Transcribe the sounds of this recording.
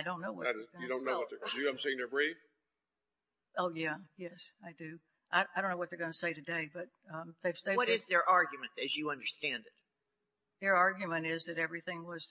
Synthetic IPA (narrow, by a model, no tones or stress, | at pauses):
aɪdõʊ̃nːoʊwʌɨɾɨzjɨdõʊ̃nːoʊwʌt̪̚ðə˞ɡʌndʉãɪ̃mseɪɪ̃ŋðə˞bɹif | ʔoʊjæjɛsaɪdʉ | aɪaɪdõʊ̃nːoʊwʌt̪̚ðə˞ɡʌnəseɪɾɨdeɪbʌt̪̚ʌðeɪvðeɪwʌɾzðə˞ʔɑɹɡjmɨ̃ntɨzjɨʌ̃ndə˞stæ̃ndɨt̚ | ðə˞ɑɹɡjɨmɨ̃ñtɪzðɨɾɛvɹiθɪ̃ŋwʌz̥